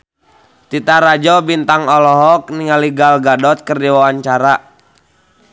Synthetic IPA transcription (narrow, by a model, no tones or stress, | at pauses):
t̪it̪aɾad͡ʒɔbint̪aŋɔlɔɦɔk̚niŋaliɡalɡadɔt̪̚kərdiwawaɲt͡ʃaɾa